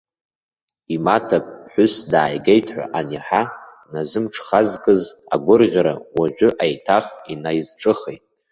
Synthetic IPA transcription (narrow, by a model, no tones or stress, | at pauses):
imatʰapʼħʷʊsdaːjɡejtʰħʷa̰ʔaniħa | nazɨmʈ͡ʂʰχazkʼɨza̰ɡʷʊrʁʲaɾawaʒʷʊʔajtʰaχinajzʈ͡ʂʼɨχejtʼ